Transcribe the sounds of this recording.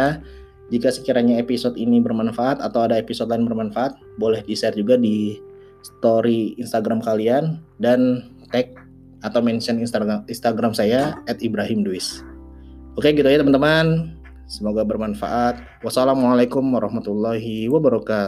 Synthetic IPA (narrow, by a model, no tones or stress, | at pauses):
a | d͡ʒikasə̥kiɾaɲaepisɔt̪inibərmanfaʔat̪at̪awadaepisɔt̪̚laɪnbərmanfaʔat̪̚bolɛhdisɛard͡ʒuɡadi | sə̥t̪oɾiːnst̪aɡɾamkaliandant̪ɛk̚ | at̪awmɛnsəninst̪aɡɾamsajaɛt̪ibɾaɦɪmduɪs | okeɡit̪ud͡ʒat̪əmant̪əman | səmoɡabərmanfa̰ʔat̪̚ | wasalamualakʊmwaɾɑhmat̪ulːaɦiwabaɾɔka